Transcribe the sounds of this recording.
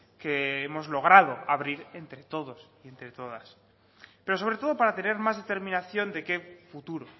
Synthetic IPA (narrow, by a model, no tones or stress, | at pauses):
ke̞emo̞zlo̞ɣ̞ɾaðo̞aβɾiɾe̞nt̪ɾe̞t̪o̞ðo̞sie̞nt̪ɾe̞t̪o̞ð̞as | pe̞ɾo̞so̞β̞ɾe̞t̪o̞ð̞o̞paɾat̪e̞ne̞ɾmazðet̪e̞ɾmĩnaθjo̞nd̪e̞ke̞fut̪uɾo̞